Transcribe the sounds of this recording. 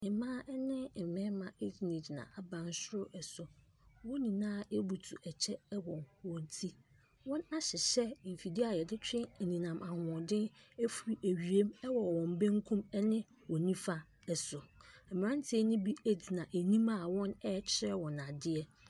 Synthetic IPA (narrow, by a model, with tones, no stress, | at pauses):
nɪ̃˨mãː˦ʔɛ˦nɪ̃˦m̩˨mɪ̃˦mã˨e˦di˨nĩ˨di˨nã̰˨a˨bã˨n˦sʊ˦ɾʊ˦ʔɛ˨sʊ˨ | wɔ̃˦nĩ˨nãː˦e˦bu˨tʰu˨ʔɛ˨t͡ɕʰɛ˦wɔ̃˨nwɔ̃˨n˨tʰi˦ | wɔ̃˦na˦ɕɪ˨ɕɛ˦˨fi˨di˦a˨jɛ˨dɪ˦t͡ɕᶣʰɪ˦˨nĩ˨nã˨mʔa˨hʊ˨dɪ̃˦ne˦fu˨ɾi˨ʔæ˨ɥi˨e˦mɛ˦wɔ˨wɔ̃˨m˨bẽ˦ŋ˦kʰũ˦mɛ˦nɪ̃˦ | wɔ̃˨nĩ˦fa˦ | ɛ˨sʊ˨ɛ˨m˨ɾã˦n˦tʰe˨˦nɪ̃˦bi˦e˦di˨nã˨ʔæ˨nĩ˦ma˦˨wɔ̃˦nɛ˦t͡ɕʰɪ˦ɾɛ˦wɔ̃˨na˨dɪ˦ɛ˦